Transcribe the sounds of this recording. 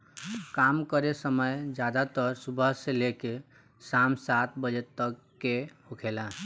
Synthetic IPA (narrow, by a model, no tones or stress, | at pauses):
kamkəɾesəməjd͡ʒad̪at̪əɾsubʱəɦseleke | samsat̪bəd͡ʒet̪ːəkːehokʰela